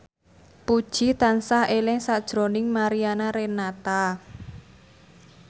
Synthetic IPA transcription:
pud̥ʒ̥it̪ansahelɪŋsad̥ʒ̥ɾonɪŋmaɾianaɾenat̪a

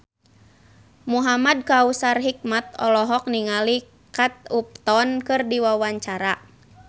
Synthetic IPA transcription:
muɦamad̚kausarɦik̚mat̪̚ɔ̰lɔɦɔk̚niŋali | kat̪̚up̚t̪ɔnkɨrdiwawaɲt͡ʃaɾa

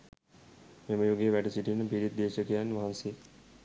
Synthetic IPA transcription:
meməjoɡeʋæʈəsiʈinːəpiɾit̪̚d̪eːʃəkəjanːʋaɦanse

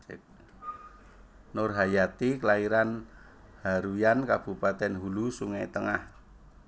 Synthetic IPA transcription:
norɦajat̪ikəlaiɾan | haɾujankab̥ṳpat̪ɛnɦulusuŋajt̪əŋah

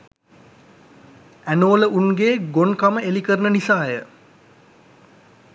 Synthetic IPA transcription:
ænoːləʔunɡeːɡonkaməelikəɾənənisaːjə

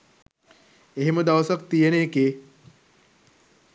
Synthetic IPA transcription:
eɦeməd̪ɐʋɐsak̚t̪ijeneːke

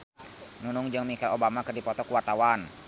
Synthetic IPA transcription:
nunuŋd͡ʒɨŋmikalobamakɨrdipɔt̪ɔkuwart̪awan

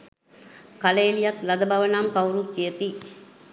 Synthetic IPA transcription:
kɐleːlijat̪lɐd̪ɐbɐʋɐnaːmkɐwɾukeɐt̪i

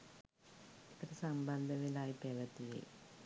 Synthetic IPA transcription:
et̪ːɐɾesɐmbɐnd̪ʱɐʋilaːjipreːʋɐt̪ːijḛj

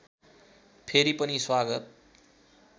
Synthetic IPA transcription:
pʰeɾipʌniswaɡʌt̪̚

